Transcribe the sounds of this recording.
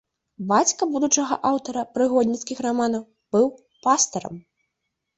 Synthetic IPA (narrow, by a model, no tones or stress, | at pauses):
bat͡sʲkɐbud̪ut͡ʂɐɣɐ̰ʔawt̪ɐɾɐpɾɨɣɔd̪ʲnʲit̪skʲixramanɐw | b̥ɨw | past̪ɐɾɐ̰m